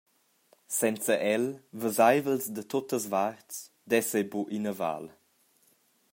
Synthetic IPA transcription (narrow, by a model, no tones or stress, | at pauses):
sɛnt͡səʔɛlvəzajvəlsd̪ət̪ot̪əzvarts | d̪ɛsebuʔinəva̰l